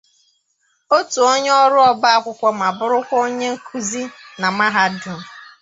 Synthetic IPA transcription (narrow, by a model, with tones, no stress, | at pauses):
o˦tu˨o˦ɲ˦ɔ˦ɾʊ˦ɔ˦ba˦a˦kʷʊ˦kʷɔ˦m˨a˨bʊ˦ɾʊ˦kʷɔ˦o˦ɲe˦ŋ̩˦kʰu˦zi˦na˨ma˦ɦa˦dʊ˨